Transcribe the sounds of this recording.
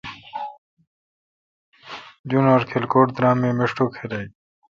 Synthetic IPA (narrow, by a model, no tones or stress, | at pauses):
d͡ʑunoːɾkʰelkoːʈd̪ɾãːmːeːmeʂʈoːkʰeɾai